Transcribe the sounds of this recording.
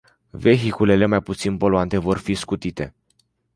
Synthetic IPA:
ve̞ɦikule̞le̞majput̪sinpo̞loant̪e̞vo̞rfiskut̪it̪e̞̰

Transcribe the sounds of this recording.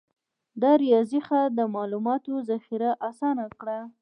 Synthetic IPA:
d̪ɑɾijɑzixad̪əmɑlumɑt̪ozaxiɾaʔasɑnakɽa

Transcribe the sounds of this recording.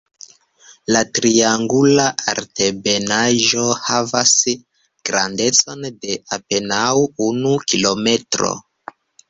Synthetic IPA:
latɾiaŋɡulaaɾte̞benaʒo̞havas | ɡ̥ɾande̞t͡so̞nde̞ape̞nawunukilo̞me̞tɾo̞̰

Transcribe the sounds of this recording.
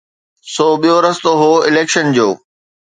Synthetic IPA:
soːɓijoɾɐst̪oɦoːɪleːkʃənd͡ʑoː

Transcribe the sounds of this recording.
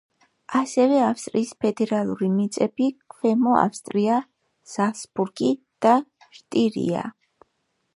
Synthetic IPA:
asɛvɛafst̪ʼɾiːspʰɛd̪ɛɾalˠuɾimit̪sʼɛbikʰvɛmɔa̰fst̪ʼɾia | z̥asbuɾɡi | d̪̥a | ʃt̪ʼiɾḭa̰

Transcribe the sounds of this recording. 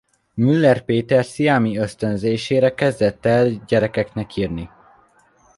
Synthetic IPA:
mylːɛrpeːt̪ɛrsijaːmiøst̪ønzeːʃeːɾɛkɛzd̪ɛt̪ːɛlɟɛɾɛkɛknɛkiːrni

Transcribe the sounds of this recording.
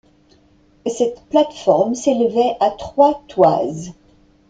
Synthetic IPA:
sɛt̪plat̪fɔʁmselvɛʔat̪χwat̪wa̰z

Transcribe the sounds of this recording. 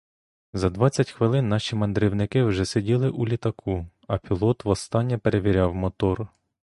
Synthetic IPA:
zɐd̪ʋɑt͡sʲːɐtʲxʋɪlˠɪnːɑʃʲimɐnd̪ɾiwnɪkɪwʒɛsedʲilˠɪʔulʲit̪ɐkʰu | ɐpʲilˠɔt̪ʋɔst̪ɑnʲːɐpeɾe̞ʋʲiɾʲɑwmɔt̪ɔr

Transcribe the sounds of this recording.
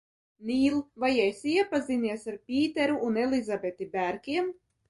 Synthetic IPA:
niːlˠvajɛjsiɛpaziniɛsaɾpʲiːt̪eɾuʔːnelizabet̪ibæɾkʲiɛm

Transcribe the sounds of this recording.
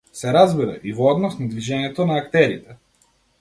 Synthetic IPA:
sɛɾazbiɾaʔivɔɔd̪nɔsnad̪viʒɛɲɛt̪onaːkt̪ɛɾit̪ɛ

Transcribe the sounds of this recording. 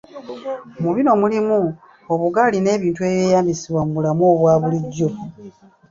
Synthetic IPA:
omuβino̞mulimu | oβuɡaline̞ːβiːntue̞ːβjeːjaːmbisiβwamuβulamoːβwaːβuliɟːo̞

